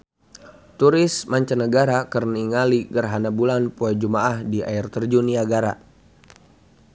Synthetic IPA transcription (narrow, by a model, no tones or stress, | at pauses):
t̪uɾɪsmaɲt͡ʃanəɡaɾakərniŋaliɡərɦanabulanpuad͡ʒumaʔahdia̰irt̪ərd͡ʒuniaɡaɾa̰